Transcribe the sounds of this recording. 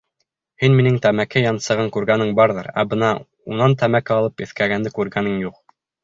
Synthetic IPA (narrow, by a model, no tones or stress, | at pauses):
hinminɘŋt̪æmækæjɑnsɤ̆ʁɤŋkʉɾɡænɘŋbɑɾðɤ̰ɾæ̰bɤnɑ | unɑnt̪æmækæɑlˠɤpjɘ̆θkæɡænd̪ɘkʉɾɡænɘŋjuq